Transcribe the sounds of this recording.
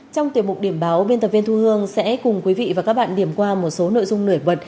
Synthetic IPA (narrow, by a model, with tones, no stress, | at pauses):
t͡ɕɔ˧wŋ͡mt̪wi˨˩əmʊ˨˩k͡p̚ɗi˧˩əmɓaː˨˦wɓe˧nt̪ə˨˩pvi˧nt̪ʰu˧hɨ˧əŋsɛ̰˧˥kʊ˨˩ŋ͡mkwi˨˦vḭ˧˨vaː˨˩kaː˦˥k̚ɓa̰ː˧˨nɗi˧˩əmkwaː˧mo˨˩t̚so˨˦no̰˧˨jzʊ˧ŋ͡mnɨ˧˩əjɓwə˨˩t̚